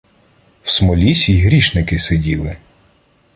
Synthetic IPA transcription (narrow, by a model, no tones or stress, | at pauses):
wsmɔlʲisʲijɦɾʲiʃnɪkɪsedʲilˠɪ